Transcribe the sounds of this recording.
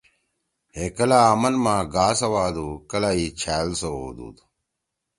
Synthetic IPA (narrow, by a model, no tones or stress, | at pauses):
hekɐlaːɐmɐnmãːɡaːsɐwaːd̪uːkɐlaːiːt͡ɕʰaːlsoo̰ːd̪ṵːd̪